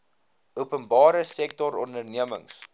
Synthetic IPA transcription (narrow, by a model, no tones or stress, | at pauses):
uəpənbɑːɾəsɛk̚tɔɾɔndərniəmə̰ŋs